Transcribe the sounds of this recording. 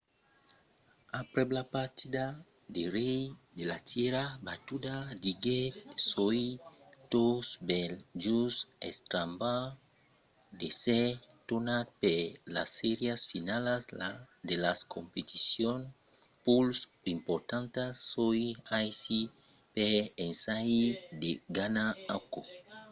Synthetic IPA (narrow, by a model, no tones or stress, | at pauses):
apɾeblapaɾt̪id̪a | d̪eɾejd̪elat̪ʰjeɾabat̪ud̪ad̪iɡesoit̪osbelʒusḛst̪ɾamba | d̪eset̪onad̪̚pelasːeɾjasfinalas | d̪elaskʰompet̪isjon | puls | impoɾt̪ãnt̪asojajsi | peensajid̪eɡanaako